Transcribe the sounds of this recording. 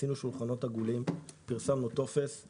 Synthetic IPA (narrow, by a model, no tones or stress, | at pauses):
inuʃulχano̞t̪haɡulimpiʁsamnut̪o̞fe̞s